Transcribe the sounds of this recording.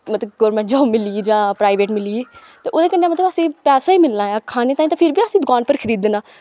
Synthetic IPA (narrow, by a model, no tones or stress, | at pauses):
mət̪ləbɡoːɾmɛ̃ɳʈd͡ʒãːmɪliːd͡ʒãːpɾaːɪʋeːʈmɪliːeː | t̪eːʔoːd̪eːkəɳːeːmət̪ləbəsĩːpɛːsaːiːmɪlnaːjaːkʰaːneːt̪aːĩːt̪ãːpʰɪɾbiːəsĩːd̪ʊkaːnpəɾkʰəɾiːd̪ːenaː